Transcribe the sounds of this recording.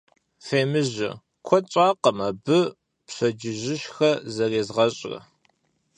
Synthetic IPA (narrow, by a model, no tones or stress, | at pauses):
feːmɨʒɐ̰ | kʷʰɔt͡ʃʼaːqɐmɐbɨ | psɐd͡ʒɪʒɪʃxɐzɐreːzʁɐɕʼrɐ̰